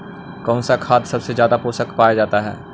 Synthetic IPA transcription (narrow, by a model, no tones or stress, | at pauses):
kɔ̃ːnsakʰaːt̪sɐbsezjaːd̪apoːsəkpaːjad͡ʒaːt̪aɦɛ̰ː